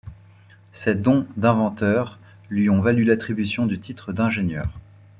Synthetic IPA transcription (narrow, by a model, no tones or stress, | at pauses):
sɛd̪ɔ̃d̪ɛ̃vɑ̃t̪œːʁ | lɥiɔ̃valylat̪χibysjɔ̃d̪yt̪ʰit̪χəd̪ɛ̃ʒenjœːʁ